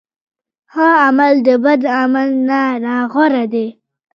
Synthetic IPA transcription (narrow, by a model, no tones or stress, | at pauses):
hɑamald̪əbad̪amalnanɑɣoɾad̪e